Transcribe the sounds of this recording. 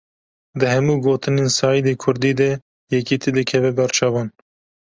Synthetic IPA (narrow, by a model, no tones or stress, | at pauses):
d̪ɨɦɛmuːɡoːt̪ɨneːnsɑːjid̪eːkʰʊɾd̪iːd̪ɛ | jɛkit̪ʰed̪ɨkʰɛvɛbɛɾt͡ʃʰɑvɑːn